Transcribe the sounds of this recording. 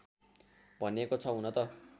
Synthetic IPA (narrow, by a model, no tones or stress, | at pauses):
bʱʌnekot͡sʰʌɦunʌt̪ʌ